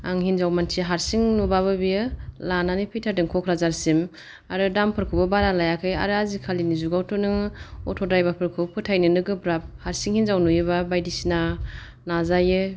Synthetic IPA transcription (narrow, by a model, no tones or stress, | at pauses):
a̰ŋɦinzawmantʰiɦaɾsiŋnubaβɯbijɯlananipʰijtʰaɾdɯŋkʰɔkʰɾazaɾsim | aɾɯdampʰɯɾkʰubabaɾalajakʰɯja̰ɾɯazikʰalinizuɡawtʰɔnɯŋɔtʰɔdajbapʰɯɾkʰupʰɯtʰajnɯnɯɡɯbɾap̚haɾsiŋhinzawnujɯbabajdisina | nazajɯ